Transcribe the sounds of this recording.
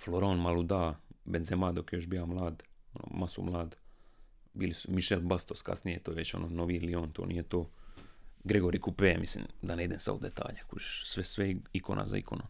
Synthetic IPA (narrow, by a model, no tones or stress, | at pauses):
floɾoːnmalˠud̪aːbenzemaːd̪o̞kjeo̞ʃbijamlˠaːd̪ono̰masṵmlˠaːd̪ | biːlisu̥miʃelbast̪o̞ska̰snijet̪ojeʋet͡ɕo̞̰nʔoːnoʋilioːnt̪oːnḭːjet̪oː | ɡɾeɡoɾikupemislḭmd̪aneid̪emsa̰d̪ṵd̪et̪a̰ːʎekut͡ʃe̥ʃsʋesʋeikonʔa̰za̰ḭkʰono